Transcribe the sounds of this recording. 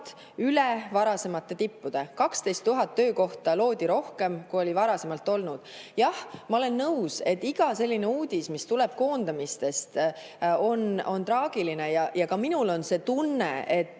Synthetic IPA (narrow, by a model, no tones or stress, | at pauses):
t̪ | ylevɑɾɑse̞mɑt̪ːˑe̞t̪ipːud̪̥e̞kɑkst̪e̞jst̪ːuɦɑt̪ːø̞ːko̞ht̪ɑlo̞ːd̪̥ʲiɾo̞hke̞mkuo̞livɑɾɑse̞mɑlt̪ːˑo̞lnud̪̥jɑhmɑo̞le̞nːɤwse̞t̪ːiɡ̥ɑse̞lʲːine̞uːd̪̥ʲismist̪ule̞b̥̚ko̞ːnd̪̥ɑmist̪e̞st̪ | o̞no̞nt̪ɾɑːɡ̥iline̞jɑjɑkɑminulo̞nse̞ːt̪unːeet̪ːˑ